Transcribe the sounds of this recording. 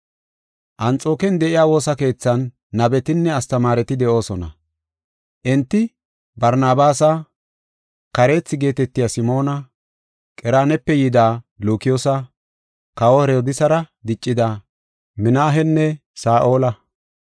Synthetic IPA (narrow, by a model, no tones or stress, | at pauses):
ʔɐnt͡sʼo̞ːkɛnd̪ɛʔɪjaːwo̞ːsɐke̞ːt͡sːɐnː | ɐbɛt̪ɪnːɛɐst̪ɐmaːɾɛt̪ɪd̪ɛʔo̞ːsɔnɐ̰ | ʔɛnt̪ːɪ | bɐɾnaːbaːsɐ | kɐɾe̞ːt͡sːɪɡe̞ːt̪ɛt̪ːɪjaːsɪmo̞ːnɐ | kʼɛɾaːnɛpːɛjɪd̪aː | luːkɪjoːsɐ | kɐwohɾɛɔd̪ɪsɐɾɐd̪ɪt͡ʃʼːɪd̪a | mɪnaːɦɛnːɛsaːʔo̞ːlɐ